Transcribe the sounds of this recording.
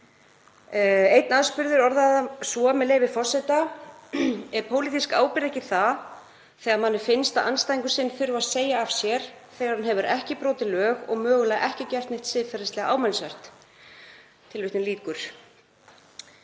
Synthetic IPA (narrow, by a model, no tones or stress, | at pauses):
ejt̪̚naðspʏɾðɪɾɔɾðaðasɔamɛðleːjvɪfɔr̥sɛt̪a | ɛɾ̥pʰoːwlit̪iskaːwpɪɾɛhcɪθa | θɛːɣaɾmanːɪ̥fɪnst̪aʔa̰nːst̪ajiŋkʏsɪnːfɪɾʏaðseːjaːv̥sjɛɾ̥ | θɛːɣaɾhanɦɛvʏɾɛhcɪpɾoːt̪ɪlœːɣɔ̰ɣmœːɣʏlaʔɛhcɪcɛr̥t̪nejht̪sɪðfɛɾast̪lɛɣaʔaːwmɛlsvɛr̥t̪ | t̪ʰɪlvʏht̪nɪliːkʏɾ̥